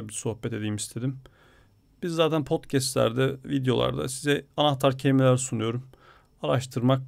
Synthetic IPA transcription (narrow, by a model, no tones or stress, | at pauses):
biɾso̞hbɛt̪e̞d̪iːimist̪ʰe̞d̪im | b̥izːaːt̪ʰænpʰo̞t̪cʰɛst̪lʲæ̰ɾd̪ɛvid̪jo̞lˠa̰ɾd̪a̰sizɛanaht̪ʰaɾcʰemilʲæɾsunujo̞ɾum | aɾaʃt̪ʰɯɾmak̚